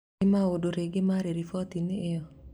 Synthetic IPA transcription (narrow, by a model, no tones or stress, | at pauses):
ɪmaodoɾeɡɪmaɾeɾifɔt̪inɪɪɔ